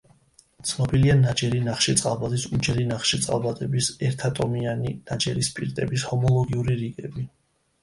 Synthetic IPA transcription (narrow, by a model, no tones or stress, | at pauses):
t̪sʰnɔbilianad͡ʒɛɾinaχʃit̪sʼalˠbad̪isud͡ʒɛɾinaχʃit̪sʼa̰lˠbad̪ʼɛbisɛɾt̪ʰat̪ʼɔmianinad͡ʒɛɾispʼiɾt̪ʼɛbishɔmɔlˠɔɡiuɾiɾiɡɛbi